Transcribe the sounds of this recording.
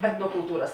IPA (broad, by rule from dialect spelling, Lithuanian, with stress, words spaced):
ɛtnoːkʊlˠˈtuːrɐs